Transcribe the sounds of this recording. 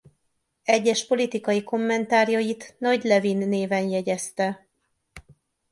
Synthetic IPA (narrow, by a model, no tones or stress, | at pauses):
ɛɟːɛʃpo̞lit̪ikɒjiko̞mːɛnt̪aːɾjojit̪nɒɟlɛvinːeːvɛnjɛɟɛst̪ɛ